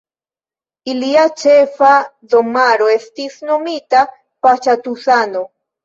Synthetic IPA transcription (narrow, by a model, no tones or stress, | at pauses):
iliat͡ʃefaðomaɾoest̪isnomit̪a | pat͡ʃat̪usano